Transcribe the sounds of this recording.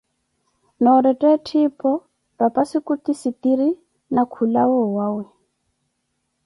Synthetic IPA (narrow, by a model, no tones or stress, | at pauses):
nɔɾɛtʼɛtʰipʼɔ | rapʼasikut̪isit̪iɾi | nakʰulawɔwaːwɛ